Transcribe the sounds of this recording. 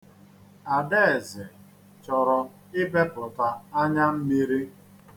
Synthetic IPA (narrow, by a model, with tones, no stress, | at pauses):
a˨de˦e˨zɪ˨ | t͡ʃɔ˨ɾɔ˨ | ɪ˦be˦pʊ˨ta˨a˦ɲa˦m̩˦mi˦ɾi˦